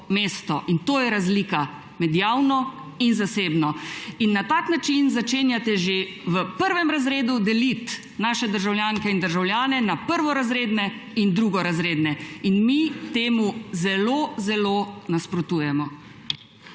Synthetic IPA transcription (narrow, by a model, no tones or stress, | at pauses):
meːst̪ɔʔint̪oːjɛɾazlika | mɛd̪jaːwnɔ | inzaseːbnɔinːat̪aknat͡ʃinzat͡ʃeːnjat̪ɛʒe | ʋəpəɾʋɛmɾazɾeːd̪ud̪ɛlit̪ | naːʃɛd̪əɾʒawljaːŋkɛind̪əɾʒawljaːnɛnapəɾʋɔɾazɾeːd̪nɛ | ind̪ɾuɡɔɾazɾeːd̪nɛinmit̪eːmuzɛlozɛlonaspɾɔt̪uːjɛmɔ